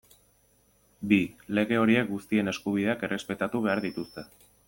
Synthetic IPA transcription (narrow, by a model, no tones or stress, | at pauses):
bile̞ɣe̞o̞ɾie̞k̚ɡust̪ie̞ne̞skuβ̞iðe̞ake̞re̞spe̞t̪at̪uβ̞e̞aɾðit̪ust̪e̞